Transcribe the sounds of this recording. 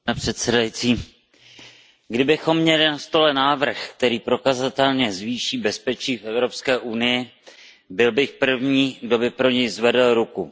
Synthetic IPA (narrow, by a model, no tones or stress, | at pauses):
nɛpr̥ɛt̪sɛdajit͡siː | ɡdɪbɪxo̞mːɲɛlɪnast̪o̞lɛnaːvr̩xkt̪ɛɾiːpɾo̞kazat̪ɛlɲɛzviːʃiːbɛspɛt͡ʃiːfʔɛvɾo̞pskɛːʔunɪjɪ | bɪlbɪxpr̩vɲiːɡdo̞bɪpɾo̞ɲɛjzvɛdl̩ɾuku